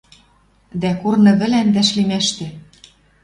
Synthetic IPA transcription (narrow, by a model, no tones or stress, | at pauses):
d̪ækurnɤ̆βɘ̆lænd̪æʃlimæʃt̪ĕ